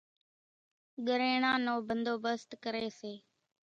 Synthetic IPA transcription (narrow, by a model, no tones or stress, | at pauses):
ɠəɾeːɳãːnoːbənd̪oːbəst̪kəɾeːseː